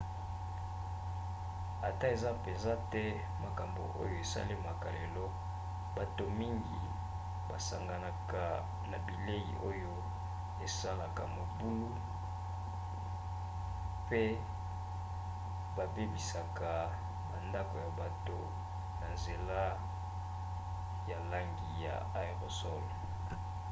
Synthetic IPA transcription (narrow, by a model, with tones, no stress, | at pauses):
a˨ta˦e˨za˦pe˨nza˦tɛ˦ | ma˨ka˨mbo̰˨ʔo̰˦jo˦e˨sa̰˦le˦ma˨ka̰˨le˨lɔ˦˨ | ba˨to˨mi˦ŋɡi˨ | ba̰˨sa˨ŋɡa˨na˨ka˨ | na˨bi˨le˦jḭ˨ʔo˦jo˦ | e˨sa˦la˨ka̰˨mo˨bu˦lu˦ | pe˦ | ba˨be˦bi˨sa˨ka˨ | na̰˨nda˦ko˨ja˨ba˨to˦ | na˨nze˨la˦ | ja˨la˦ŋɡi˨ja̰˨a˦i˨ʁo˨sɔ˦lɔ˨